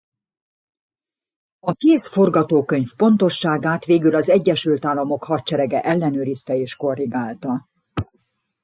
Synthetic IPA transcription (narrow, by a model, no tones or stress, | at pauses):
ɒkeːsfo̞rɡɒt̪oːkø̞ɲfpo̞nt̪o̞ʃːaːɡaːt̪ʋeːɡylɒzɛɟːɛʃylt̪aːlːɒmo̞khɒtt͡ʃɛɾɛɡɛʔɛlːɛnøːɾist̪ɛeːʃko̞rːiɡaːlt̪ɒ